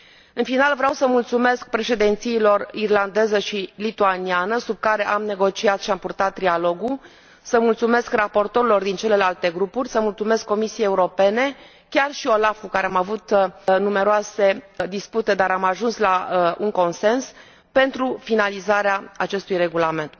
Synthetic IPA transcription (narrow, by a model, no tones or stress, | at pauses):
ɨnfinalvɾeawsəmult̪sume̞sk̚pɾe̞ʃe̞d̪ent̪siːlo̞rirland̪e̞zəʃilit̪uanianəsub̚kaɾe̞ʔamne̞ɡo̞t͡ʃiat̪ʃiampurt̪at̪ːɾialo̞ɡu | səmult̪sume̞skrapo̞rt̪o̞ɾilo̞rd̪int͡ʃe̞le̞lalt̪e̞ɡɾupurʲsəmult̪sume̞skːo̞misiejeuɾo̞pe̞ne̞ | kʲarʃio̞lafkukaɾeamavut̪nume̞ɾoase̞d̪isput̪e̞d̪aɾamaʒunslauŋko̞nse̞ns | pe̞nt̪ɾufinalizaɾeaat͡ʃe̞st̪ujre̞ɡulame̞nt̪